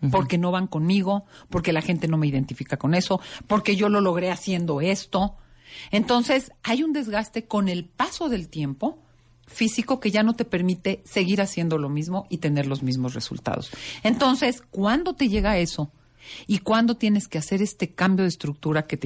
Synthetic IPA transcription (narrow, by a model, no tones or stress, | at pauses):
po̞ɾke̞no̞βaŋko̞nmiɣo̞po̞ɾke̞laxe̞nt̪e̞no̞me̞iðe̞nt̪ifikako̞ne̞so̞po̞ɾke̞ʝo̞lo̞lo̞ɣ̞ɾe̞asje̞nd̪o̞e̞st̪o̞e̞nt̪o̞nse̞sajund̪e̞zɣast̪e̞ko̞ne̞lpaso̞ðe̞lt̪je̞mpo̞ | fisiko̞ke̞ʝano̞t̪e̞pe̞ɾmit̪e̞se̞ɣiɾasje̞nd̪o̞lo̞mizmo̞ʔit̪e̞ne̞ɾlo̞zmizmo̞sre̞̰sṵlt̪a̰ð̞o̞̰se̞nt̪o̞nse̞skwand̪o̞t̪e̞ʝe̞ɣae̞so̞ | ikwand̪o̞t̪je̞ne̞skease̞ɾe̞st̪e̞kambjo̞ð̞eːst̪ɾuk̚t̪uɾake̞t̪